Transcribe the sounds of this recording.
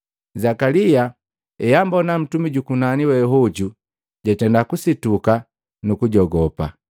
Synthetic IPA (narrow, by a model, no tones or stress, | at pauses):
zakalija | ɛjambɔnam̩tumiɟukunaniwɛɦɔɟu | ɟ̥atɛndakusituka | nukuɟɔɡɔpa̰